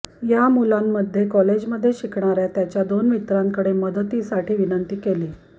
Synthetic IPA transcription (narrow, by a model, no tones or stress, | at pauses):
jamulamːəd̪ʱːjekɔled͡ʑməd̪ʱːjeɕikɳaɾjat̪jat͡ɕjad̪onʋit̪ɾaŋkəɽeməd̪ət̪isaʈʰiːʋinənt̪iːkeliː